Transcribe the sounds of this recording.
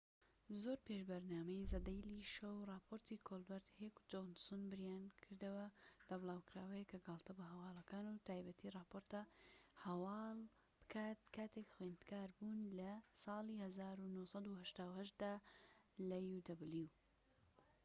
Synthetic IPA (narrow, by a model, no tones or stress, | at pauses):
zoɾpeʃbɐɾnaːmɐjzɐd̪ɐjliʃowrˤɑːpʰoɾt̪ʰikʰolbɛɾd̪hekd͡ʒonsonbɨɾjaːnkʰɨɾd̪ɐwɐlɐbɨlaːwkɨɾaːwɐjekɐɡɑːlˠt̪ɐbɐɦɐwɑːlˠɐkaːnut̪ʰaːjbɐt̪ʰiːrˤɑːpoɾt̪ɐhɐwɑːlˠ | b̥ɨ̥kʰaːt̪̚kʰaːt̪ekxwend̪kaːɾbuːnlɐsɑːlˠiːhɐzaːɾunohsˤɑd̪uhɐʃt̪aːwhɐʃt̪̚d̪aː | lɐjud̪ɐbɨlju